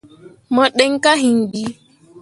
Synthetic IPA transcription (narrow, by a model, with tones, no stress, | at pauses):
mɔ˨ɗɛ˦ŋ˦ka˦ɦi˨ndi˦